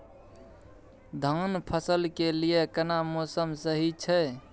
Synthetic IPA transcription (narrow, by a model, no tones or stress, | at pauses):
d̪ʱənpʰəsəlkelijekənamosəmsəɦit͡ʃʰɛ